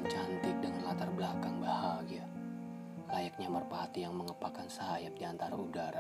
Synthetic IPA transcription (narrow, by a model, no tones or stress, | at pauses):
t͡ʃant̪ɪk̚dəŋalat̪arblakaŋbahaɡia | lajak̚ɲamərpahat̪ijaŋməŋəpakansəɦajak̚diant̪aɾaudaɾa